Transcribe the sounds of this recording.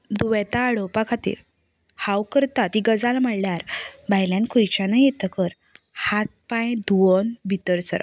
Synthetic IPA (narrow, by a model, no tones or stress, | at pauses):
d̪uʋɛt̪aːɽowpakʰat̪ḭːɾ | hawkəɾt̪at̪iɡəd͡zalm̤əɽljaɾbajljãnkʰujt͡ɕanəjet̪əkəɾ | hat̪̚pãjd̪uɔnbʱit̪əɾt͡səɾa̰